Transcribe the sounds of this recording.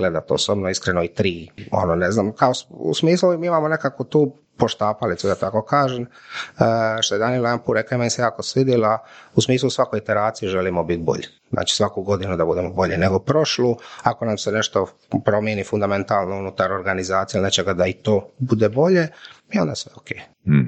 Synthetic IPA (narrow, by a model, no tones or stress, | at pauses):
ɡled̪at̪o̰sobnoiskɾenoit̪ɾiːo̞̰noneznamkaosṵsmiːslumiːimaːmone̞kakʋut̪uː | po̞ʃt̪aːpalit̪sud̪at̪ako̞kaːʒeməʃt̪oe̞d̪anilajampuːɾekaimenisejaːkosʋid̪jelausmiːslˠusʋakojit̪eɾaːt̪sijiʒelimobit̪̚bo̞̰ʎi | znʔa̰ːt͡ʃi̥sʋakuɡo̞d̪inud̪abud̪emobo̞ʎeneɡopɾo̞ʃluako̞namsene̞ʃt̪o̞ | pɾo̞mjenifund̪ament̪aːlnounut̪aɾo̞ɾɡanizaːt̪sijailnet͡ʃeɡad̪ait̪o̞ːbud̪ebo̞ʎe̞iond̪asʋeokeː